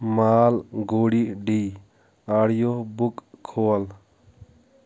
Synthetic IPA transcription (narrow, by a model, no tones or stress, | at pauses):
maːlɡoːɽiːɖiː | aːɽjoːbukkʰːoːl